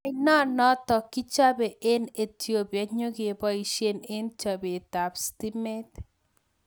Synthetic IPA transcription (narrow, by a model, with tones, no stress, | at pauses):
inɔ˦nɔ˦tɔ˨ki˦t͡ʃa˦be˨ʔe˦ne˨tjo˨ba˨ɲo˦ɡe˨e˨bɔ˦i˨ʃe˦ne˦nt͡ʃa˨be˨ta˨psti˦me˦t